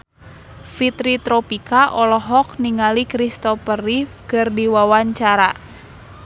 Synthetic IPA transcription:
fit̪ɾit̪ɾɔpikaʔɔlɔɦɔk̚niŋalikɾist̪ɔpərifkɨrdiwawaɲt͡ʃaɾa

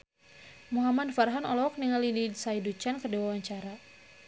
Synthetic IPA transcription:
muɦamadfaɾɦanɔlɔk̚niŋalidisaidut͡ʃankərdiwawaɲt͡ʃaɾa

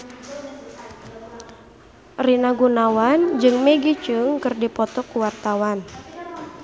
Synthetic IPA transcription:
rinaɡunawand͡ʒɨŋmɛɡit͡ʃɨŋkɨrdipɔt̪ɔkuwart̪awan

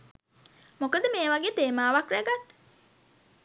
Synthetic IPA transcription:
mokəd̪əmeːʋaɡeːt̪eːmaːʋakɾæɡat̪

